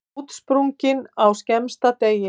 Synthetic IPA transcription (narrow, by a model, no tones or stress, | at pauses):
t̪spɾuŋcɪnawscɛmst̪at̪ejɪ